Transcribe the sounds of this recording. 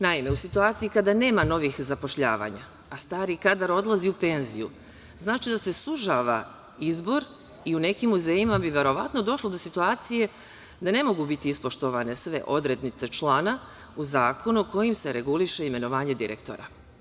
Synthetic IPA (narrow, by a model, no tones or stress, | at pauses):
naime̞usit̪uaːt̪siikad̪ane̞ːmano̞ʋixzapo̞ʃʎa̰ːʋa̰ːɲa̰ː | st̪aːɾikad̪aɾo̞d̪lˠaziupe̞nzijṵ | znaːt͡ʃid̪ase̞suʒaːʋa̰ | izbo̞ɾ | iune̞kimːuzejimabiʋe̞ɾo̞ʋat̪no̞d̪o̞ʃlˠod̪osit̪uaːt̪sije̞ | d̪ane̞mo̞ɡubit̪iispo̞ʃt̪oʋane̞sʋe̞̰ʔo̞d̪ɾe̞d̪nit̪se̞t͡ʃlˠaːna | uzaːkʰo̞nuko̞jimse̞ɾe̞ɡuliʃe̞ime̞no̞ʋaːɲe̞d̪iɾḛkt̪o̞̰ɾa̰